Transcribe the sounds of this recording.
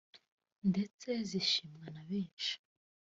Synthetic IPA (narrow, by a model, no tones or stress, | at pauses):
nde̞t͡se̞ziʃimɡanaβiːnʃi̥